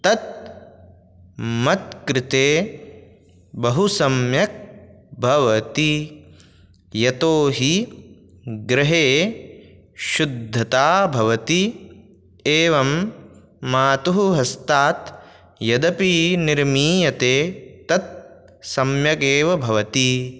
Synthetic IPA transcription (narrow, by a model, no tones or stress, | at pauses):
t̪ɐt̪̚ | mɐt̪̚kɾɪt̪eː | bɐɦusɐmjɐk̚ | bʱɐʋɐt̪i | jɐt̪oːɦi | ɡɾɪɦeː | ʃud̪ʱːɐt̪aːbʱɐʋɐt̪i | eːʋɐmː | aːt̪uɦuɦɐst̪aːt̪ | jɐd̪ɐpiːniɾmiːjɐt̪eːt̪ɐt̪̚ | sɐmjɐkeːʋɐbʱɐʋɐt̪i